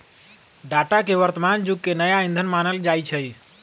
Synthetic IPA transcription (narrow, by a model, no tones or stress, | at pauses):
ɖaʈakeʋəɾt̪əmand͡ʒuɡkenəjaind̪ʱənmanəld͡ʒajt͡ʃʰəj